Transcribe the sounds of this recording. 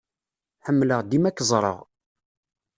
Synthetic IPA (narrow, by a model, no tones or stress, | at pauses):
ħəmːləʁd̪imækːzˤɾˤə̰ʁ